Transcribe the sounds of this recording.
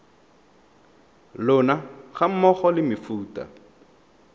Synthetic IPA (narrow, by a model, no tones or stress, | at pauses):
lʊnaχam̩mɔχɔlɪmɪfuːta̰